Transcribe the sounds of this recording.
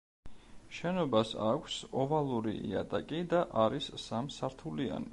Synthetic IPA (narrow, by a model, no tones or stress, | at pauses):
ʃɛnɔbasa̰kʷʰsɔvalˠuɾḭʔḭa̰t̪ʼakʼid̪aʔaɾisːamsaɾt̪ʰulia̰ni